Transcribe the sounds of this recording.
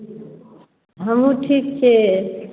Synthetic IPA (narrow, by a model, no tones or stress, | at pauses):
ɦəmũʈʰik̚t͡ʃʰe